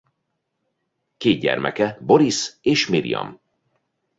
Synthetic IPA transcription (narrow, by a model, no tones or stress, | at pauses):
keːd̪̚ɟɛ̰rmʔɛ̰kɛbo̞ɾiseːʃmiɾḭjɒ̰m